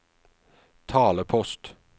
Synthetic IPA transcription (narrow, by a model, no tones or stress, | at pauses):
t̪ʰɑːləpʰɔst̪